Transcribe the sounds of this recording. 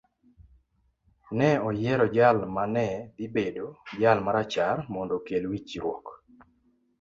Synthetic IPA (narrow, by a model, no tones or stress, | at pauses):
nɛɔjɛɾɔd͡ʒalmanɛd̪ibedod͡ʒalmaɾat͡ʃarmɔndɔkelwit͡ʃiɾwɔ̰k